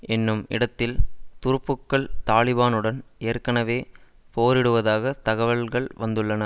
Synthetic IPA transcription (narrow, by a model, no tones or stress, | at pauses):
ɛnːɯmɪ̰ɽɐt̪ːɪlt̪ʊɾɯpːɯkːɐɭt̪aːɭɪbaːnɯɽɐneːrkɐɳɐʋeː | poːɾɪɽɯʋɐðaːɣɐt̪ɐɣɐʋɐɭɣɐɭʋɐnd̪ɯɭːɐnɐ